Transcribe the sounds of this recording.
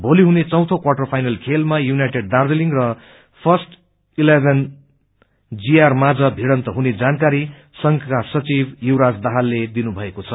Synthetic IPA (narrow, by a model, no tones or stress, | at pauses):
bʱoliɦunet͡sʌ̃w̃t̪ʰokwaʈʌrpʰajnʌlkʰelmajunajʈeɖ̚dard̪eliŋrʌ | pʰʌsʈ | ilebʱen | d͡zijarmad͡zʌbʱiɽʌnt̪ʌɦuned͡zankaɾi | sʌŋɡkasʌt͡sibjiwɾad͡zd̪aɦalːed̪inubʱʌekot͡sʰʌ